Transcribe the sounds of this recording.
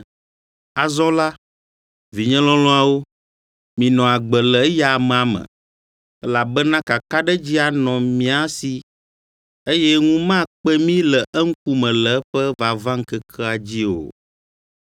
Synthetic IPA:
a˨zɔ̃˦la˦ | vi˨ɲɛ̃˦lɔ̃˦lɔ̃˦a˨wo˦ | mĩ˨nɔ̃˨a˨ɡ͡bə˨lɛ˨˦ja˨m̃˨a˨mɛ̰̃˨ | ɛ˦la˨bɛ˦nã˦ka˨ka˦ɖɛ˦d͡ʑi˦a˨nɔ̃˨mĩ˦a˦si˦ | e˦jɛ˦ŋũ˦mã˦k͡pɛ˦mĩ˦lɛ˨ʔɛ˦ŋ̩˦k̚u˦mɛ̃˨lɛ˨˦ɸɛ˦va˨vã˦ŋ̩˦kɛ˦kʰɛ˦a˨d͡ʑi˦o̰˨

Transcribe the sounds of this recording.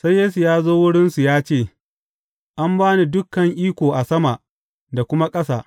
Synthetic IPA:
sa˦jːeː˦su˨jaː˦zoː˦wʊ˦ɽɪ˦nsu˨jaː˦t͡ʃeː˦˨ | ʔa˦mbaː˦ni˦˨dʊ˦kːɐ˨ŋʔiː˦kʷoː˨ʔa˨sɐ˦ma˨ʔ | da˨kʷʊ˦ma˦kʼɐ˦saː˨ʔ

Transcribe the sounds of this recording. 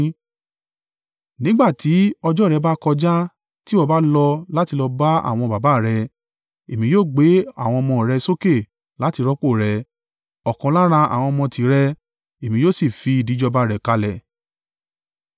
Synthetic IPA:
nĩ˦ɡ͡ba˦˨ti˨˦ɔ˧d͡ʒɔ˦˨ɾɛ˧˦ba˦kɔ˧d͡ʒa˦ | ti˦ɔ˦˧˨ba˦lɔ˧la˦ti˧lɔ˧ba˦a̰˨w̃ɔ̃˧ba˨ba˨˦˨ɾɛ˧ | e˨mĩ˨˦joː˦˨ɡ͡be˨˦a̰˦˨w̃ɔ̃˧ɔ˧mɔ̃˧˨ɾɛ˧so˦ke˦˨ | la˨˦ti˧ɾɔ˦k͡po˦˨ɾɛ˧ | ɔ˨kɔ̃˨˦la˦ɾ̃ã˧ʔa̰˨w̃ɔ̃˧mɔ̃˧tʰi˨˦ɾɛ˧ | e˨mĩ˧jo˦˨si˦˨fi˧i˨di˨˦d͡ʒɔ˧ba˧˦ɾɛ˨ka˧lɛ˨

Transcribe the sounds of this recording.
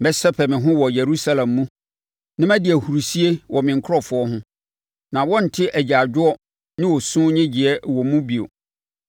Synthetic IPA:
mɛ˦sɛ˦pʰɛ˨mɪ̃˨ɦʊ̃˦wɔ˨je˨ɾu˦sa˦lã˨mːũ˦ | nɪ̃˦mæ̃˦dɪ˨æ˨hu˨ɾu˨si˦e˦wʔɔ˨mɪ̃˨ŋ˨kʰʊ˦ɾɔ˦fʊ˨˦ɔ˦ɦʊ̃˦ | nã˨wɔ̃˦n̩˨tʰɪ˦ʔæ˨d͡ʑa˨d͡ʑᶣʊ˦ɔ˦ | nɪ̃˦wɔ˨sʊ̃˦ɲɛ̃˦d͡ʑi˨ɛ˦wɔ˨mũ˦bi˨o̰˨

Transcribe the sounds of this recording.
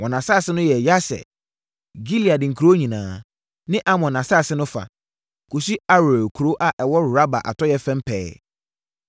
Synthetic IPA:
wɔ̃˨nã˨sa˦˨sɪ˦nʊ̃˦jɛ˨ja˦sɛ̰˨ | ɡi˦li˨a˨dɪ̃˨ŋ̩˨kʰɾo˦ɲĩ˨nãː˨ | nɪ̃˦ʔa˦mɔ̃˨nã˨sa˦˨sɪ˦nʊ̃˦fa̰˨ | kʰo˨si˦a˦ɾe˨kʰu˨ɾo˦ʔa˨ʔɛ˨wɔ˦˨ɾa˦ba̰˨ʔa̰˨tʰɔ˦jɛ˦fɛ̃˦m˦pʰɛ̰ː˦

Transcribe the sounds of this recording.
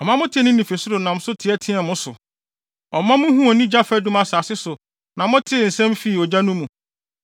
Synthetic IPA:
ɔ˨mã˦mʊ̃˦tʰɪ˦ɛ˨nʊ̃˦nĩ˨fe˨sʊ˦ɾʊ˨nã˨m̩ʊ˦sʊ˦tʰɪ˨˦ɛ˦tʰɪ̃˦a˨mʊ̃˦sʊ˨ | ɔ˨mã˦mʊ̃˦ɦũ˦ɔ˨nĩ˦d͡ʑa˦fɛ˦dũ˦ma˨saː˨sɪ˦sʊ˨ | nã˨mʊ̃˦tʰɪ˦˨n̩˨sɛ̃˦mfi˦˨ɔ˨d͡ʑa˦nũ˦mũ˨

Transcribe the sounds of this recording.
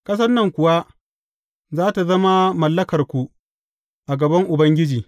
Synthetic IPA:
kɐ˦s̬ɐ˦nːɐ˨ŋkʷʊ˨wa˦ | zaː˦ta˨zɐ˦ma˦mɐ˨lːɐ˦kɐ˨rkʷu˨ | ʔa˨ɡɐ˨bɐ˦ŋʔʊ˨bɐ˦ŋɡʲɪ˦d͡ʒiː˨

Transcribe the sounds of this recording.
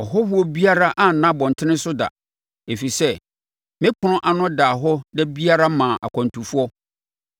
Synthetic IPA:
ɔ˨ɦɔ˦hu˦ɔ˦bi˦a˦ɾa˦ʔa˦n̩˨nã˦bɔ̃˨n˨tʰɪ˦nɪ̃˦sʊ˦da̰˨ | e˨fi˨sɛ˦ | mɪ̃˦kʰʊ˨nʊ̃˦ʔa˨nʊ̃˦da˨ɦɔ˦nɛ˦bi˦a˦ɾa˦mã˨ʔa̰˨kʰɔ̃˨n˨tʰũ˨fu˦ɔ˦

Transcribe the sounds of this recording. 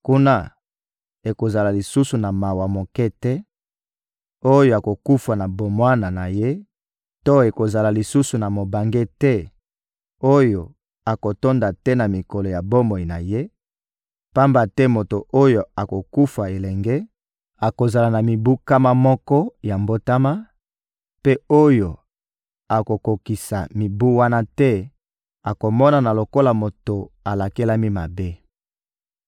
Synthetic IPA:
ku˦na˦ | e˨ko˨za˨la˨li˨su˦su˨na˨ma˨wa˨mo˨kɛ˦tɛ˦ | o˦jo˦a˨ko˨ku˦fa˨na˨bo˨mwa˦na˨na˨je˦ | to˦e˨ko˨za˨la˨li˨su˦su˨na˨mo˨ba˨ŋɡe˦tɛ˦ | o˦jo˨ | a˨ko˨to˦nda˨tɛ˦na˨mi˨ko˨lo˨ja˨bo˦mo˨i˨na˨je˦ | pa˦mba˨tɛ˦mo˨to˨ʔo˦jo˨a˨ko˨ku˦fa˨e˨lɛ˨ŋɡe˦ | a˨ko˨za˨la˨na˨mi˨bu˦ka˦ma˦mɔ˦kɔ˦ja˨mbo˦ta˦ma˦ | pe˦o˦jo˨ | a˨ko˨ko˨ki˨sa̰˨mi˨bu˦wa˦na˦tɛ˦ | a˨ko˨mɔ˦na˨na˨lo˨ko˦la˨mo˨to˨a˨la˨ke˦la˦mi˦ma˨be˦

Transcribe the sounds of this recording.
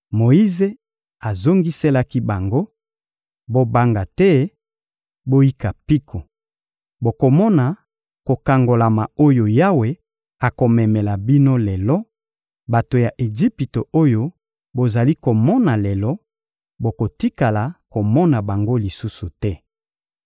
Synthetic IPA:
mo˨i˦ze˦ | a˨zo˦ŋɡi˦se˦la˦ki˦ba˨ŋɡo˦ | bo˦ba˦ŋɡa˨tɛ˦ | bo˦ji˦ka˨pi˦kʰo˨ | bo˨ko˨mɔ˦na˨ | ko˨ka˨ŋɡo˨la˨ma˨o˦jo˨ja˦we˨ | a˨ko˨mɛ˨mɛ˨la˨bi˦no˦lɛ˨lɔ˦ | ba˨to˨ja˨ʔe˨ʒi˦pi˨to˨o˦jo˦ | bo˨za˨li˦ko˨mɔ˦na˨lɛ˨lɔ˦ | bo˨ko˨ti˦ka˨la˨ko˨mɔ˦na˨ba˨ŋɡo˦li˨su˦su˨tɛ˦

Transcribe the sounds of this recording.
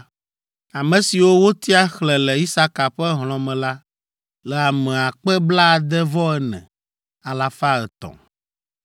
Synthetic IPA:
a˨mɛ̃˨si˨wo˦wo˦t̪i˦a˦xlɛ˨lɛ˨i˦sa˦ka˨ɸɛ˦ɦl̃ɔ̃˨mɛ̃˨la˦ | lɛ˨a˨mɛ̃˨a˨k͡pɛ˦bla˦˨d̪ɛ˦vɔ˦ɛ˦nɛ̰̃˨ | a˨la˨fa˦ɛ˨t̪ɔ̰̃˨

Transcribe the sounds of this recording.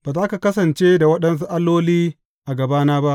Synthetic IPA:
b̥aː˨zaː˦ka˨kɐ˦sɐ˨nt͡ʃeː˦da˨wɐ˦ɗɐ˦ns̬u˦ʔa˦lːoː˦liː˦ | ʔa˨ɡɐ˨baː˦naː˦ba˦ʔ

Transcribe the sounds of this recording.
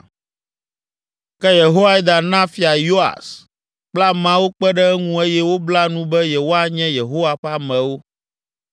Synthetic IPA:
kɛ˦je˨ɦo˦wa˦i˦d̪ã˨nã˦fi˨a˨jo˦a̰˨s | k͡pla˦mã˦wo˦k͡pɛ˦ɖɛ˦ɛ˦ŋũ˦e˦jɛ˦wo˦bla˦nũ˦bɛ˦je˨wo˦a˨ɲɛ̃˦je˨ɦo˦wa˨ɸa˦mɛ̃˨wo˦

